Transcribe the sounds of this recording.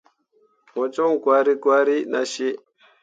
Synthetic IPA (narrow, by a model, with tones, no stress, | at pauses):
mo˨t͡ʃo˦ŋɡwa˨ɾi˦ɡwa˦ɾi˦na̰˨ʃe˦